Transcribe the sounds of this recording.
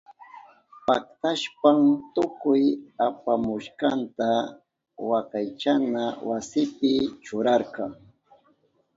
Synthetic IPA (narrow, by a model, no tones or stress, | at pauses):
pak̚t̪aʃpamt̪ʊkʊjapamʊʃqɑnt̪a | wakɑjt͡ʃanawasɪpɪt͡ʃʊɾɑɾqɑŋ